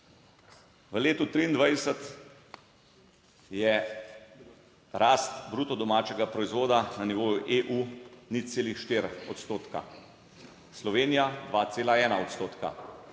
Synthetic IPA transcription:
ʋəleːt̪ut̪ɾiːnd̪ʋajɛsət̪ | jɛ | ɾaːst̪bɾuːt̪ɔd̪ɔmaːt͡ʃɛɡapɾɔizʋoːd̪ananiʋoːjuʔeʔunit̪seːlixʃt̪eːɾɔt̪st̪oːt̪ka̰ | slɔʋeːnijad̪ʋaːt̪seːlaɛːnaɔt̪st̪oːt̪ka̰

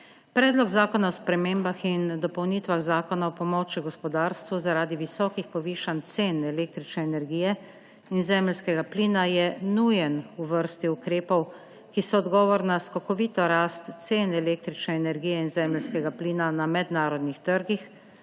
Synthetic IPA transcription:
pɾɛːd̪lɔkzaːkɔnaɔspɾɛmeːmbaxind̪ɔpɔwniːt̪ʋaɣzaːkɔnaɔpɔmɔːt͡ʃiɡɔspɔd̪aːɾst̪ʋuzaɾaːd̪iʋisɔːkixpɔʋiːʃant̪seːnɛleːk̚t̪ɾit͡ʃnɛːnɛɾɡiːjɛ | inzɛːmlskɛɡapliːnajɛnujɛnuʋəɾst̪iukɾeːpɔw | kisɔɔd̪ɡɔːʋɔɾnaskɔkɔʋiːt̪ɔɾaːst̪seːnɛleːk̚t̪ɾit͡ʃnɛɛnɛɾɡijɛinzɛːmlskɛɡapliːnanamɛd̪naːɾɔd̪nixt̪əɾɡix

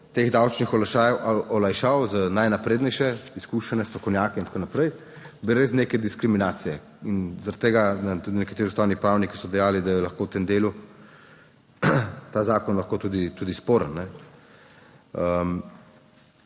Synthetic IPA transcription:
t̪eːɣd̪awt͡ʃnixɔlaʃajɔlajʃawzənajnapɾeːd̪nɛjʃɛiskuːʃɛnɛst̪ɾɔkɔwnjaːkɛint̪akonapɾɛj | biɾeːsnekɛd̪iskɾiminaːt̪sijɛ | inzaɾɐt̪ːeːɡanɛt̪ud̪inɛkat̪eːɾiust̪aːwnipɾawniki̥sɔd̪ɛjaːlid̪ajɛlɐxkoːwt̪emd̪eːlu | t̪aːzaːkɔnlɐxkot̪uːd̪it̪ud̪ispoːɾənːnɛ | əm

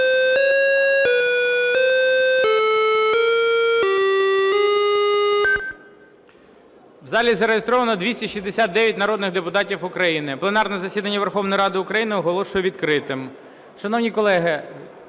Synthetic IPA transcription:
wzɑlʲizɐɾejest̪ɾɔʋɐnɔd̪ʲʋʲisʲtʲɐʃʲizd̪esʲat̪̚d̪ɛʋʲjɐtʲnɐɾɔd̪nɪɣd̪epʊt̪ɑtʲiwʊkɾɐjinɪplˠenɑrnɛzɐsʲid̪ɐnʲːɐʋerxɔʋnɔjɾɑd̪ɪʊkɾɐjinɪɔɦɔlˠɔʃʊjɛʋʲid̪kɾɪt̪ɪm | ʃɐnɔwnʲikɔlˠɛɦɪ

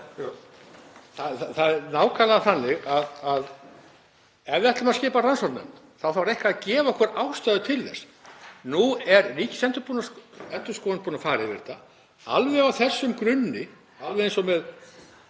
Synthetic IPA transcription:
θaaθaðɛɾnaːwkʰaːlaðθanːɪɣaðað | ɛvðɪɛht̪lʏmaðscɪːparansɔɾt̪nœ̰mt̪ | θawfawɾɛhkaaðcɛːvaɔhkvɛɾaːwst̪aːðʏt̪ʰɪlðɛ̰s | nuɛɾriːcɪ̥sɛnt̪ʏɾpunaɛnt̪ʏ̥ɾskɔːðanpunafaːɾɪvɪ̰ɾ̥t̪a | a̰lvɛawθɛsːʏmkɾɪnːɪ | alvɛensɔmɛð

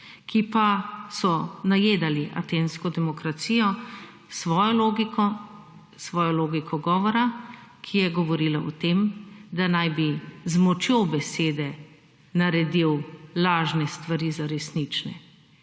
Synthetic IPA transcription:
kʰipasɔnajeːd̪aliʔa̰t̪eːnskɔd̪ɛmɔkɾat̪sijɔ | sʋɔːjɔloɡikɔ | sʋɔːjɔloːɡikʰɔɡɔːʋɔɾakʰijɛɡɔʋɔɾiːlaʔɔt̪emd̪anajbizmɔt͡ʃjobɛseːd̪ɛ | naɾɛd̪iwlaːʒnɛst̪ʋaɾizaɾɛsnit͡ʃnɛ̰

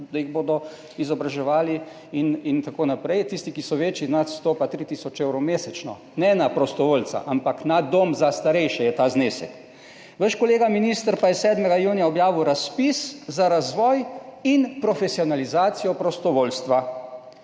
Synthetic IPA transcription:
d̪ajiɣboːd̪ɔ | izɔbɾaʒɛʋaːli | inint̪akoːnapɾɛjt̪ist̪ikisɔʋeːt͡ʃiznat̪st̪oːpat̪ɾit̪iːsɔt͡ʃewɾɔmeːsɛt͡ʃnɔ̰ | nɛnapɾɔst̪ɔʋoːlt͡s̪a̰ʔampaknad̪oːmzast̪aɾɛjʃɛjɛt̪aːzneːsɛ̰k | ʋəʃkɔleːɡaminist̪əɾpajɛsɛːd̪mɛɡajuːnijaɔbjaːʋiwɾaspiszaɾazʋɔːjinpɾɔfɛsiɔnalizaːt̪sijɔpɾɔst̪ɔʋoːlst̪ʋa

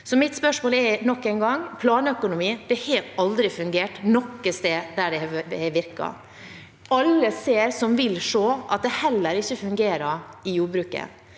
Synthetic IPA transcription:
sɔmɪt̪spœʂmoːlɛnɔkːɛɪnɡɑŋːpʰlɑːnəœkʊnʊmiːd̪̥ɛhɑɾɑld̪ɾɪfʉŋɡeːʈnɔkːəst̪eːd̪æɖɛhɛʋɪɾkɑ̰ | ɑlːəseːɾsɔmʋɪlʂoːʔɑt̪̚d̪ɛhɛlːəɾɪçːəfʉŋɡeːɾɑɾɪjuːɾbɾʉːkə̰

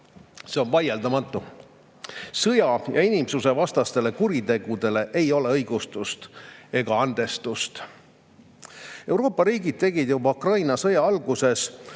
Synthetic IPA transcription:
seo̞nvɑjeld̪ɑmɑt̪ːˑu | sɤjɑjɑ̰inimsuse̞vɑst̪ɑst̪e̞le̞kuɾit̪e̞ɡ̥ud̪e̞le̞ʔe̞jo̞le̞ɤjɡ̥ust̪ust̪e̞ɡ̥ɑɑnd̪̥e̞st̪ust̪ | e̞wɾo̞ːpːˑɑɾiːɡid̪̥̚t̪e̞ɡ̥id̪̥jubɑukrɑjnɑsɤjɑɑlɡ̥use̞s

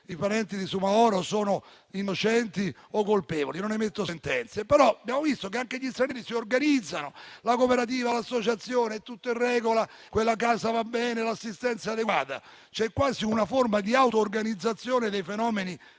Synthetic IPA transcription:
ipaɾɛnt̪id̪isumaɔːɾosoːno | inot͡ʃɛnt̪iokːolpɛːvo̰linonɛmet̪ːoent̪ɛnt̪sepeɾɔabjaːmovist̪ok̬eaŋk̟eʎist̪ɾanɛːɾisiorɡanid̪zːanolakopeɾat̪̬iːvalasːot͡ʃat̪sːjoːnet̪ːut̪ːoirːɛːɡola | kwelːak̬aːzavabːɛːnelasːist̪ɛnt̪saːd̪eɡa̰ːt̪a̰ | t͡ʃɛkːwaːziunaformad̪iawt̪oːrɡanid̪zːat̪sːjoːned̪ejfenɔːmeni

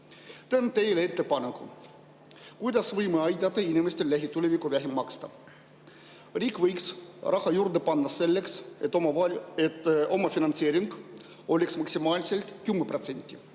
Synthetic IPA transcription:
t̪ent̪ejleet̪ːepɑneku | kujd̪ɑsʋɯjmeɑjd̪ʲɑt̪einʲimest̪ellæɦʲit̪ulʲeʋʲikoʋæɦimmɑkst̪ɑ̰ | riːkʋəjksrʔɑhɑjurd̪epɑnːɑselːekset̪omɑet̪omɑfinɑnt̪sieɾʲiŋk | olʲiksmɑksimɑːlʲiselt̪kymːeprot̪senʲt̪ʲːi

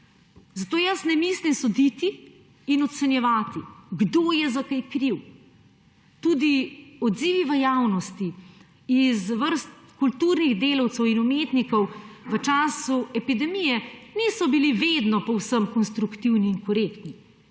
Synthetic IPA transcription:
zat̪oːjasnɛmislimsɔd̪it̪iː | nɔt̪sɛnjɛʋaːt̪iɡd̪oːjɛzakajkɾiw | t̪uːd̪iɔd̪ziːʋiʋəjaːwnɔst̪i | izʋəɾst̪kult̪uɾniɣd̪eːlɐwt̪sɛwinumeːt̪nikɔwʋət͡ʃaːsuɛpid̪ɛmijɛniːsɔbiliʋeːd̪nɔpɔwsəmkɔnst̪ɾukt̪iwniːnkɔɾeːkt̪ni

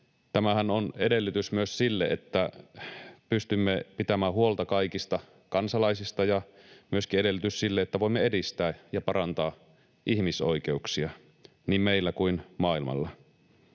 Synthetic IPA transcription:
t̪æmæhænone̞de̞lːyt̪ysmyøssilːeet̪ːæ | pyst̪ymːepit̪æmæːhuo̞lt̪ɑkɑikist̪ɑ | kɑnsɑlɑisist̪ɑjɑmyø̞skieɾe̞lːyt̪yssilːeet̪ːæʋoimːee̞dist̪æːjɑpɑɾɑnt̪ɑː | ʔihmisoik̟e̞uksiɑ | niːmmeilːækuinmɑːilmɑ̰lːɑ

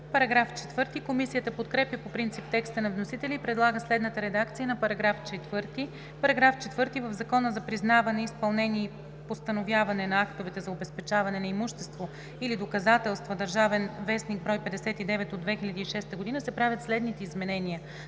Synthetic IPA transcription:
pɐɾɐɡɾaft͡ʃɛ̥t̪vɤɾt̪ikomisijət̪əpot̪kɾɛpjəpopɾint̪sip̚t̪ɛkst̪ənɐvnosit̪ɛlʲiːpɾɛd̪lˠaɡəslɛd̪nət̪əɾɛd̪akt̪sijənɐpɐɾɐɡɾaft͡ʃɛt̪vɤɾt̪i | pɐɾɐɡɾaft͡ʃɛt̪vɤɾt̪ivəvzɐkɔnəzɐpɾiznavɐnɛispɐlˠnɛnʲiː | post̪ɐnovjavɐnɛnɐakt̪ovɛt̪ɛzɐobɛspɛt͡ʃavɐnɛnɐimuʃt̪ɛst̪vo | ilid̪okɐzat̪ɛlˠst̪vɐd̪ɐɾʒavɛnvɛsniɡbɾɔjpɛd̪ɛsɛt̪id̪ɛvɛt̪od̪vɛxilʲɐd̪iiʃɛst̪əɡod̪inəsɛpɾavʲjət̪slɛd̪nit̪ɛizmɛnɛniə

